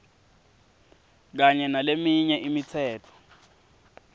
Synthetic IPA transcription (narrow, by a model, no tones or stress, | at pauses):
k̬aɲɛnalemiɲɛʔimit͡sʰɛːtʰɔ̥